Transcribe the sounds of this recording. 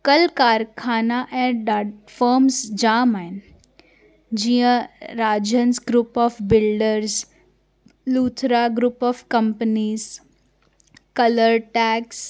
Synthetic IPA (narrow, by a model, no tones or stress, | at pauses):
kəlkaːɾkʰaːnaʔɛ̃ɖafəɾmsd͡ʒaːmaːɪn | d͡ʒijə̃ɾaːd͡ʒənsɡɾuːpɔːfbɪlɖəɾs | luːt̪ʰɾaɡɾuːpɔːfkəmpəniːz | kələɾʈɛːks